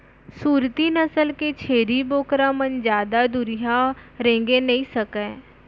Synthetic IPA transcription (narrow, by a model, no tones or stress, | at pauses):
suːɾt̪inəsəlket͡ʃʰeːɾiboːkɾamənd͡ʒjaːd̪ad̪ʊɾiɦaɾẽːŋɡenɐĩsəkẽː